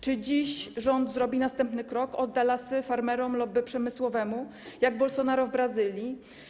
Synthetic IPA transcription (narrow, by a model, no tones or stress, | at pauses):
t͡ʂɘd͡ʑiɕʐɔnd̪zɾɔbʲinast̪ɛmpnɘkɾɔkɔd̪d̪ːalasɘfaɾmɛɾɔmlɔbɘpʂɛmɘswɔvɛmu | jaɡ̚bɔlsɔnaɾuvbɾazɘlʲji